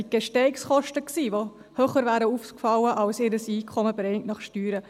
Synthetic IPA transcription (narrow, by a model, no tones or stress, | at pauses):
iɡ̥ɛʃtɛɪksχɔʃtəksiːʋo | høχəɾvæːɾəuːfkfɑwəʔɑlsɪɾəsiːkʰɔməbɾɛŋtnɑχʃtyːɾə